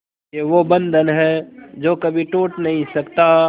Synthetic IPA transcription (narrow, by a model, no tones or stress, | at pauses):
keʋobə̃nd̪ʱənɦɛd͡ʒoːkɐbʱiʈuːʈnɐɦĩsɐkt̪a